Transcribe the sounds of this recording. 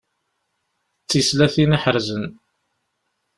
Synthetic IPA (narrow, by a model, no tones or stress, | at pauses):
t͡sːislæθiniħəɾzən